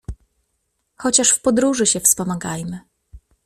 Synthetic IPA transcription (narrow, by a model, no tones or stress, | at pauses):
xɔt͡ɕaʂfpɔd̪ɾuʐɘɕɛfspɔmaɡajmɘ